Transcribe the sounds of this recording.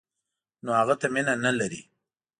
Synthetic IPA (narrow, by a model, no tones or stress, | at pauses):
nohaɣat̪aminanalaɾi